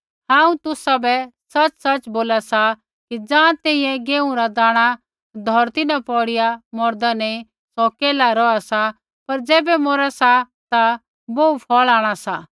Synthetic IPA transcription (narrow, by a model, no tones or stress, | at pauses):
hãːũt̪ʊsabɛsɐt͡ʃsɐt͡ʃboːlasa | kid͡zãːt̪ɛːĩjɛ̃ɡeːũɾad̪aːɽ̃a | d̪ʱɔɾt̪ɪnãpɔːɽɪjamɔɾd̪anɛ̃ĩ | sɔkeːlaɾɔasa | pɐɾd͡zɛːbɛmɔːɾasa | t̪a | boːupʰɔːɭaːɽ̃asa